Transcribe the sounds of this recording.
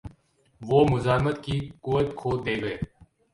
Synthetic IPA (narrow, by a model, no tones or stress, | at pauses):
ʋoːmʊzaːɦmət̪kiːkʊʋət̪kʰoːd̪eːɡəeː